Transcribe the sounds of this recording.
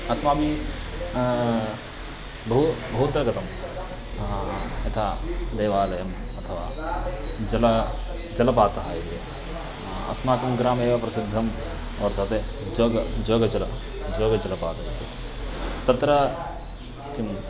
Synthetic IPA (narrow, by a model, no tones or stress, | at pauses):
ɐsmaːbʱi | bɐɦubɐɦut̪ːɾɐkɐt̪ɐm | ɐt̪ʰaːd̪eːʋaːlɐjɐm | ɐt̪ʰɐʋaː | d͡ʒɐl | d͡ʒɐlɐp̬aːt̪ɐɦaːjt̪e | ɐ̰smaːkimɡɾaːmeːʋapɾɐsɪd̪ʱːɐm | ɔːɾt̪ʰɐt̪e | d͡ʒoɡd͡ʒoːɡɐt͡ʃɐlɐ | d͡ʒoːɡɐt͡ʃɐlɐpaːt̪ɐjet̪e | t̪ɐt̪ɾɐ | kim